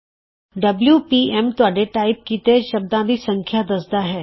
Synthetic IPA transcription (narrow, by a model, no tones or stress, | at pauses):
ɖɐbljupiːɛmt̪ʊaːɖeʈaːɪp̚kit̪eːd͡ʒʃɐb̚d̪ãd̪isɐ̃ŋkʰjad̪ɐsd̪aɦɛː